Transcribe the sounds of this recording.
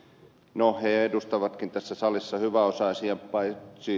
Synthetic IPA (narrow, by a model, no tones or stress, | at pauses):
noheedust̪ɑʋɑt̪kint̪æsːæsɑlisːɑhyʋæosɑisiepɑisi